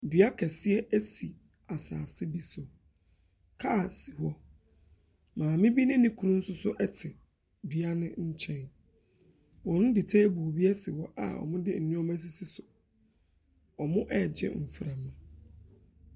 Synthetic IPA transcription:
dɥa˦kʰɛ˨sɪ˦ɛ˦ʔæ˦si˨ | a˨sa̰ː˨sɪ˦bi˦sʊ˨ | kʰa˦˨si˨hɔ˦ | mãː˨mɪ̃˦bi˦nɪ̃˦nɪ̃˦kʰũ˦nʊ̃˦n̩˦sʊ˦sʊ˦ʔɛ˦tʰɪ˨ | dɥa˦nɪ̃˦ɲ̩˦t͡ɕʰɛ̃˦n | wɔ̃˨nʊ̃˦dɪ˨tʰe˦bu˨bi˦ɛ˦sɪ˨hɔ˦ʔa̰˨ɔ̰˨mʊ̃˦dɪ˦n̩˨nũ˦ɔ˦mã˦s̬i˦si˦sʊ˨ | ɔ˨mʊ̃˦ʔɛ˦˨d͡ʑɪ̰˦˨m̩˨fɾã˨mã˨

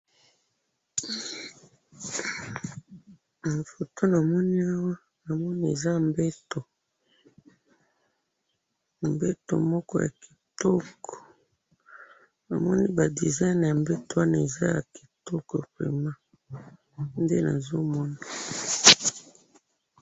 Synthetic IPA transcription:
na˨fo˨to˦na˨mɔ˦ni˦a˦wa˦ | na˨mɔ˦ni˦e˨za˦˨mbe˦to˨ | mbe˦to̰˨mɔ˦kɔ˦ja̰˨ki̥˨tɔ˦kɔ̥˨ | na̰˨mɔ˦ni˦ba˨di˨za˦n˨ja˨mbe˦to˦a˦na˨e˨za˦ja̰˨ki̥˨tɔ˦kɔ˨pḛ˨ma˦ | nde˦na̰˨zo˦mɔ˦na˨

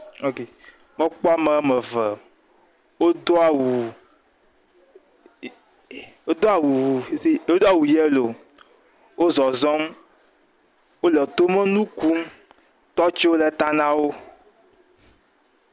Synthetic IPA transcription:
o˦ke˨ | mɔ̃˦k͡pɔ˦a˦mɛ˨˦mɛ˨vɛ˨ | wo˦d̪o˦a˨wu˨ | wo˦d̪o˦a˨wu˨˦i˦o˦d̪o˦a˦˨wu˨jɛ˦lo˨ | wo˦zɔ˨zɔ˦m | wo˦lɛ˨t̪o˦mɛ̃˦nũ˦ku˦m | t̪ɔ˦t͡ʃi˦wo˦lɛ˨t̪a˦nã˦wo˦

